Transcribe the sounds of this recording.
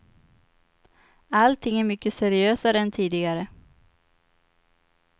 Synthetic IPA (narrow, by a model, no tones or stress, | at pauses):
alt̪ʰɪŋːæɾmʏkːəsɛɾɪøːsaɾɛnt̪ʰiːd̪ɪɡaɾə